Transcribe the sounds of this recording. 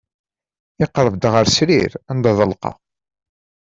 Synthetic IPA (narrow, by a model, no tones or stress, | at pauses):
ɪqɾˤəvd̪ʁəɾsɾiɾænd̪ɑðˤəlqɑ̰